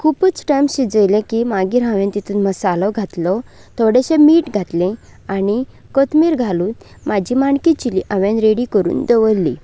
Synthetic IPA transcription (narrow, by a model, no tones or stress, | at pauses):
kʰupət͡sʈajmɕid͡zəjlẽkimaɡiɾɦãʋjẽnt̪it̪ʰuːnməsalɔɡʱat̪lɔ | t̪ʰoɽeɕẽmiːʈɡʱat̪lẽ | ani | kət̪miːɾɡʱaluːt̪ | mad͡ʑʱimaɳkit͡ɕiliʔãʋjẽnɾeɽikəɾṵːnd̪əʋəlːi